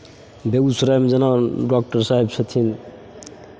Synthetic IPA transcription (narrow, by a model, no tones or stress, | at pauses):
beɡusuɾajmd͡ʒʌnaɖɔk̚ʈəɾsaɦebt͡ʃʰət̪ʰin